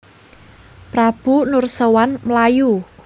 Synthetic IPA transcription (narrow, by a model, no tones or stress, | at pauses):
pɾab̥unʊrsəwanməlaju